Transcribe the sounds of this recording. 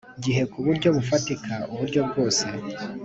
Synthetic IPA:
ɟiɦe̞kuβuɾɟo̞βufatikʰaʔuβuɾɟo̞bɡo̞ːse̞

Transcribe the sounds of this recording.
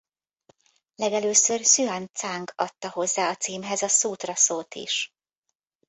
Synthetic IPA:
lɛɡɛløːsørsyant̪saːŋɡɒt̪ːɒɦo̞zːaːɒt̪siːmɦɛzɒsuːt̪rɒsoːlt̪ḭʃ

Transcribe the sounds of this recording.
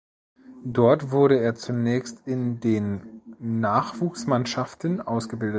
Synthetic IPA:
d̥ɔɐtv̥ʊɐɾəeːɐt͡sunɛːçstɪndeːnː | aːχv̥uːksmanʃaftn̩ʔaʊsɡ̥əbɪldə

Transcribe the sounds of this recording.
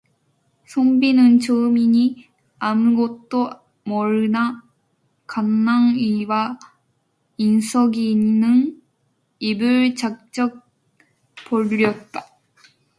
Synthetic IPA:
sʰombinɯnt͡ɕɯɯmiɲi | amɡʌt̚t͈o | mʌɾɯna | kanːaŋiwa | insʰʌɡiːnːɯn | ibɯɭt͡ɕak̚t͡ɕ͈ʌk̚ | poʎːʌt̚t͈a

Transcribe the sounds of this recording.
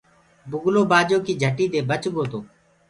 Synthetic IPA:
bʊɡloːbaːd͡ʒoːkiːd͡ʒʱəʈiːt̪eːbət͡ʃɡoːt̪oː

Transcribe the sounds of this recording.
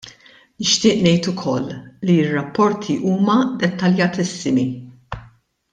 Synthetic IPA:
nɪʃt̪ɪːʔnɛjt̪ʊkʰɔlːiɪrːɐpːɔɾt̪ʰiʔuːmɐd̪ɛt̪ːɐljɐt̪ɪsːɪmi

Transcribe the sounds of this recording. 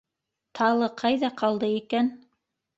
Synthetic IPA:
t̪ʰɑlˠɤqʰɑjðɑqʰɑlˠd̪ɤekæn

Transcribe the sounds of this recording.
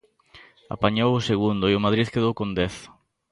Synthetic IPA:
a̰paɲowʊseɣund̪ʊiʊmað̞ɾiðkeðowkõnd̪ɛθ

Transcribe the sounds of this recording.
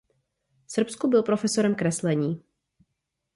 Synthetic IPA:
sr̩pskubɪlpɾo̞fɛso̞ɾɛmkɾɛslɛɲiː

